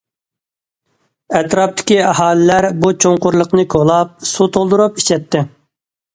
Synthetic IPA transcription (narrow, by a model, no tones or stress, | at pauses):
ɛt̪ɾɑp̚t̪ʰɪ̥kʲiɑɦɑːlɪlæɾbut͡ʃʰoŋqʊɾlˠəqnɨkʰolˠɑp̚sut̪ʰolˠd̪ʊɾupi̥t͡ʃʰɛt̪ʰːɪ